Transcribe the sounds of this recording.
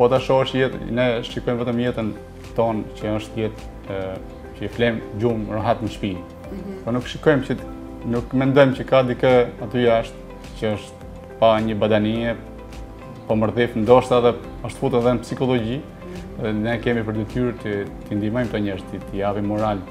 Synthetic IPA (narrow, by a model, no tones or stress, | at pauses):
pɔat̪aʃɔɔʃjɛt̪nɛʃikɔjmvɛt̪əmjɛt̪ən | t̪ɔncəəʃt̪jɛt̪ | t͡ʃəflɛmd͡ʒumraɦat̪nəʃpin | pɔnukʃikɔjmt͡ʃə | nukmɛnd̪ɔjmcəkad̪ikəat̪yjaʃt̪ | cəɔʃt̪ | paɲəbad̪aniɛ | pɔməɾðifnd̪ɔʃt̪aðɛ | ɔʃt̪fut̪ənðɛnpsikɔlˠɔɟi | ðɛnɛkɛmipəɾd̪ɛt̪yɾt̪ət̪ind̪imɔjmt̪ɔɲɛɾt̪it̪əjavimɔɾal